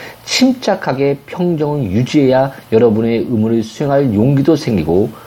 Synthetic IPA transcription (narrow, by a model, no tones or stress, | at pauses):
t͡ɕʰimt͡ɕ͈akʰaɡe̞pʰjʌŋd͡ʑʌŋɯnjud͡ʑie̞jajʌɾʌbune̞ɯmuɾɯɭsʰue̞ŋɦaɭjoŋɡidosʰe̞ŋɡiɡo